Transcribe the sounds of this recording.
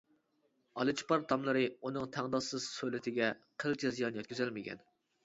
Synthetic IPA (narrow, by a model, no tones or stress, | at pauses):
ɑlˠɨt͡ʃʰi̥pɑɾt̪ʰɑmlˠɨɾɨunɨŋt̪ʰæŋd̪ɑsɨz̥sølɪt̪ʰɪɡʲɛqʰəɾt͡ʃʰɛzijɑnjɛt̪kʲyzælmɪɡʲɛ̰n